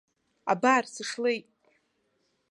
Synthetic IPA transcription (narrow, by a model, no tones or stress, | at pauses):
a̰barsɨʂlejtʼ